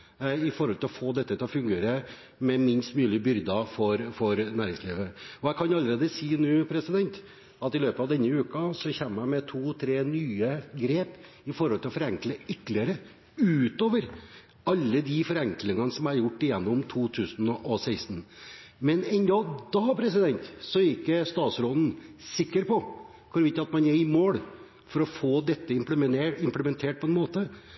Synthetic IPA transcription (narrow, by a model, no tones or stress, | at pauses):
ɪfɔɾhɔlt̪ɪlɔfoːd̪ɛt̪ːət̪ʰɪlɔfʉŋɡeːɾə | mɛmɪnst̪mʉːlɪbʏɾd̪ɑfɔɾfɔɾnæːɾɪŋsliːʋəɔjækʰɑnɑlːəɾeːd̪əsiːnʉːpʰɾɛsɪd̪ɛnt̪ | ɑt̪ɪløːpəɑʋd̪ɛnːəʉːkɑsɔçɛːmːəæɪmɛt̪ʰuːt̪ʰɾeːnyːəɡɾeːp | ɪfɔɾhɔlt̪ʰɪlɔfɔɾɛŋkləʏt̪ːlɪəɾə | ʉːt̪oːʋəɾ | ɑlːəd̪ifɔɾɛŋklɪŋɑnəsɔmæɾjʊʈːɪjɛnːʊmt̪ʰuːt̪ʰʉːsnɔʔɔsæɪst̪nmɛnɛnd̪ɑd̪ɑpʰɾɛsɪd̪ɛnt̪sɔɪkːəst̪ɑːt̪sɾɔlən̩sɪkːəɾpʰɔ | kʰɔɾʋɪt̪ːəɑt̪mɑnæɾɪmoːɽ | fɔɾɔfoːd̪ɛt̪ːəɪmpləɪmpləmɛnt̪ʰeːʈ̚pʰɔɛnmoːt̪ə